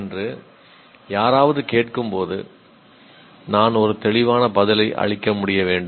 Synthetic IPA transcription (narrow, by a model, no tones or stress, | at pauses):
ndrɯ | jaːɾaːʋɐðɯkeːʈkɯmpoːðɯ̰ | naːnɔɾɯt̪ɛɭɪʋaːnɐpɐðɪlɐɪʔɐ̰ɻɪkːɐmʊɽɪjɐʋeːɳɖɯ